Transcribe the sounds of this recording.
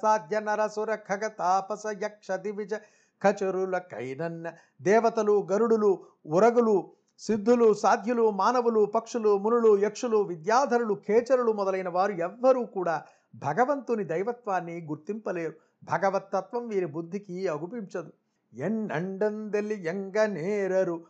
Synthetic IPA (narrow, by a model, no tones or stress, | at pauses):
saːd̪ʱjɐnɐɾɐsuɾɐkʰːɐkɐt̪aːpɐsɐjɐkʂɐd̪iʋid͡ʒɐ | kʰɐt͡ʃɐɾulɐkɐ̰jnɐnːɐ | d̪ɛːʋɐt̪ɐluɡɐɾuɽulu | uɾɐɡulu | sid̪ʱːulusaːd̪ʱjɐlumaːnɐʋulupɐkʂɐlumunuɭujɐkʂuluʋid̪jaːd̪ʱɐɾulukʰɛːt͡ʃɐɾulumɔd̪ɐlɐjnɐʋaːɾuɛʋːɐɾuːkuːɽaː | bʱɐɡɐʋɐnt̪unid̪ɐjʋɐt̪ʋaːnːiɡuɾt̪impɐleːɾu | bʱɐɡɐʋɐt̪ːɐt̪ʋɐmʋiːɾibud̪ʱːikiɐɡupiɲt͡ʃɐd̪u | enːɐ̰ɳɖɐnd̪elːijeŋɡɐneːɾɐɾu